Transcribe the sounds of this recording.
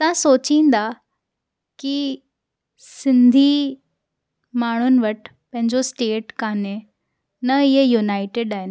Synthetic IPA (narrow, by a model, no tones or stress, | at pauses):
t̪ɐʋ̤ãsoːt͡ɕĩːn̆d̪a | ki | sɪ̃nd̪ʱi | maːɳ̤ʊnɪ̆ʋɐʈ | pɐ̃ɦɪ̃ɲd͡ʑosʈeːʈkaːne | nɐɪɦejunaːɪʈeɖaːɦɪn